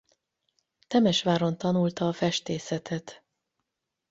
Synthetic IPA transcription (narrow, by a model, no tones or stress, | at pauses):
t̪ɛmɛʃʋaːɾo̞nt̪ɒnult̪ɒːfɛʃt̪eːsɛt̪ʰɛt̪